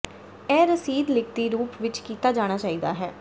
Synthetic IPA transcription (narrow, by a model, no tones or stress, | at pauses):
ɛːɾəsiːd̪lɪkt̪iːɾuːpʋɪt͡ʃkiːt̪aːd͡ʒaːɽ̃aːt͡ʃaːiːd̪a̰ːɦɛː